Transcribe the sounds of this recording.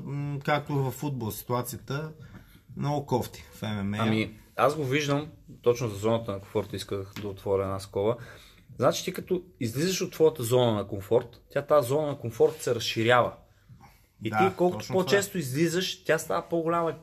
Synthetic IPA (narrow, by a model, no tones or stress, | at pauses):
kak̚t̪ʊvɐfːud̪̚bolˠsi̥t̪uat̪sijət̪ə | nɐokɔft̪i̥fɛmɛmɐmiazɡoviʒd̪əmt̪ɔt͡ʃnozɐzɔnət̪ənɐkõɱfɔɾt̪iskəxd̪ɐot̪vɔɾʲəɛnaskɔbə | znat͡ʃi̥t̪ikɐt̪ɔizlizəʃot̪ːvɔjət̪əzɔnənɐkoɱfɔɾt̪ʲːjat̪azɔnənɐkomfɔɾt̪sɛɾɐsʃiɾʲavə | it̪ikɔlˠkʊt̪o̥pot͡ʃɛst̪ʊizlizəʃt̪ʲast̪a̰vəpoɡʊlʲamɐi